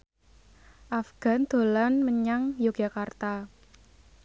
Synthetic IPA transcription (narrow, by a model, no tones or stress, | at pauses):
ʔafɡ̥a̤nd̪̥o̤lanməɲaŋjoɡ̥a̤kart̪a